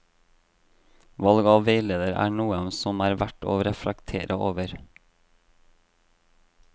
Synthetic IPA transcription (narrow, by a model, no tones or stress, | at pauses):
ʋɑlɡɑːʋʋeɪleːd̪əɾæ̰ːɳuːənsɔmæːɾʋæʈo̰ːɾɛfləkt̪ʰḛːɾʔəoːʋəɾ